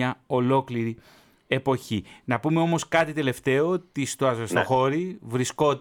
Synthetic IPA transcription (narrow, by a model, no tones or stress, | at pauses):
ɐo̞lo̞kliɾi | e̞po̞çinɐpume̞o̞mo̞skɐt̪it̪e̞le̞ft̪e̞o̞t̪ist̪oɐst̪oxo̞ɾivɾisko̞